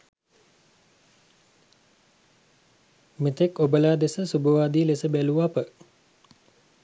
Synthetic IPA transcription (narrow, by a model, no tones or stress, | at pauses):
met̪ekobəlaːd̪esəsubəʋaːd̪iːlesəbæluapə